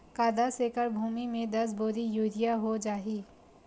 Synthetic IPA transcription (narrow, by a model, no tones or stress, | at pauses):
kaːd̪aseːkəɾbʱuːmimẽd̪ɐs̬boːɾijuːɾijaɦod͡ʒaːɦiː